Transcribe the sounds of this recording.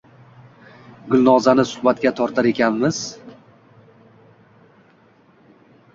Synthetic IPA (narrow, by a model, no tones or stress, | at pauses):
ɡʊlˠnɒzanɪsʊ̥hbat̪ɡʲat̪ʰɒɾt̪ʰaɾe̞kʲʰanmɪz̥